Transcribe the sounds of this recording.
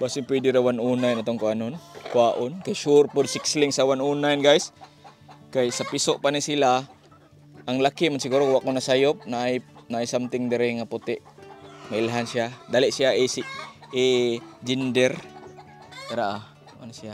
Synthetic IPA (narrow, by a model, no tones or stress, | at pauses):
basɪŋpwɛdiɾawanunajnat̪oŋkoanʊnkwaʔʊnkajʃʊɾpʊdsɪkslɪŋsawanuːnajnɡajs | kajsapisoʔpanisila | ʔːŋlakimansiɡuːɾokwaʔkonasajʊp̚naʔajnaʔajsamt̪ɪŋd̪ɪɾɪŋapʊt̪ɪʔmaɪlɦansiad̪alɪʔsiaʔisiː | d͡ʒind̪ɛɾ | taɾaʔa | ʔa̰nsia